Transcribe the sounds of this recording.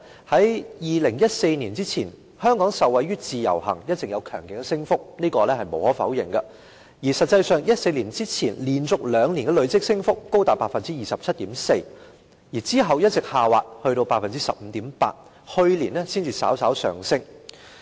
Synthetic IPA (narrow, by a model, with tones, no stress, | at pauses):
hɐ˨˥jjiː˨lɪ˨˩ŋjɐ˥t̚se˧jniː˨˩nt͡siː˥t͡sʰiː˨˩n | hœː˥ŋkɔː˨˥ŋsɐ˨wɐ˨˧jɥyː˥t͡siː˨˧jɐ̰˨˩whɐ̰˨˩ŋjɐ˥t̚t͡sɪ˨kjɐ˨˧wkʰœː˨˩ŋkɪ˨˥ŋɛ˧sɪ˥ŋfʊ˥k̚niː˥kɔː˧lɛː˥hɐ˨jmo̰˨˥whɔː˨˥fɐ˨˥wjɪ̰˨ŋɡɐ̰˧ | jiː˨˩sɐ˨t̚t͡sɐ˧jsœː˨˧ŋjɐ˥t̚se˧liː˨˩nt͡siː˥t͡sʰiː˨˩nliː˨˩nt͡sʊ˨k̚lœː˨˧ŋniː˨˩nkɛ˧lɵ˨˧ɥt͡sɪ˥k̚sɪ˥ŋfʊ˥kːo˥wt̪aː˨˩pːaː˧t̚fɐ˨nt͡siː˥jiː˨sɐ˨p̚t͡sʰɐ˥t̚t̪iː˨˥mse˧j | jiː˨˩t͡siː˥ɦɐ˨wjɐ˥t̚t͡sɪ˨k̚haː˨wa̰ː˨t̚hɵ˧ɾo˧wpaː˧tfɐ˨nt͡siː˥sɐ̰˨p̚m̩ː˨t̪iː˨˥mpa̰ː˧t̚ | hɵ˧ɥliː˨˩nlɛː˥siː˥nt͡sʰiː˨˧sa̰ː˨˥wsaː˨˥wsœ̰ː˨ŋsɪ˥ŋ